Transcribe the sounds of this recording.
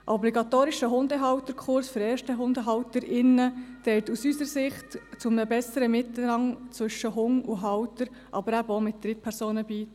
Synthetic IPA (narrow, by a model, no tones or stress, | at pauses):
ʔɔbliɡɑt̪oːɾiʃəɦʊnd̪əɦɑwt̪əɾkʰχʊɾsføɾɛːɾʃtəɦʊndəɦɑwtəɾɪnːətɛltusysəɾsɪχtt͡sʊmnəbɛsəɾəmɪt̪ːəl̩ɾɑŋt͡sʋʏʃəɦʊŋuɦɑwtəɾ | ʔɑ̰bəɾæbomɪt̚d̪̥ɾɪt̚pʰɛɾsoːnəbiːt